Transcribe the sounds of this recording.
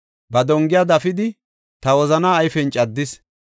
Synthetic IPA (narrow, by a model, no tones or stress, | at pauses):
bɐd̪ɔŋɡɪjad̪ɐfɪd̪ɪ | t̪ɐwɔzɐnaːjfɛnt͡ʃʼɐd̪ːɪs